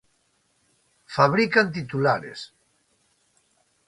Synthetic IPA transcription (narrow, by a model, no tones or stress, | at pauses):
faβɾikant̪it̪ulaɾḛs